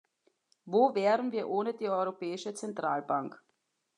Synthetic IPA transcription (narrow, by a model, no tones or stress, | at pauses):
voːvɛːɐʁənviːɐʔoːnədiːɔʏʁopɛːɪʃət͡sɛntʁ̥aːlbaŋk